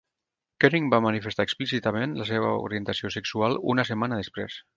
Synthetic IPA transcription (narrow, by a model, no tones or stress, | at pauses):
kɛɾiŋbamənifest̪aeksplisit̪əmenləseβə̰ṵɾiənt̪əsiosəksualˠṵnəsəmanəðespɾḛs